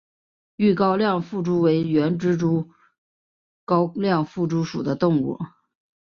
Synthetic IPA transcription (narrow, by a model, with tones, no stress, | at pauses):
y˥˩kɑ˥ʊljɑ˥˧ŋfu˥˩ʈ͡ʂu˥we˧˥ɪɥɛ˧˥nʈ͡ʂɻ̩˥ʈ͡ʂu˥ | kɑ˥ʊljɑ˥˧ŋfu˥˩ʈ͡ʂu˥ʂṵ˨˩d̪ə˦t̪ʊ˥˧ŋṵ˥˩